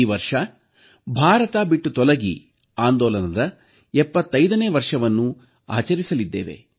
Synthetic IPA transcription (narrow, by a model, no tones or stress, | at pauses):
iʋɐɾʂɐ | bʱaːɾɐt̪aːbiʈːut̪ɔlɐɡḭ | aːnd̪ɔːlɐnɐd̪ɐ | ɛpːɐt̪ːɐjd̪ɐneːʋɐɾʂɐʋɐnːu | a̰ːt͡ʃɐɾisɐlid̪ːḛːʋe̞̰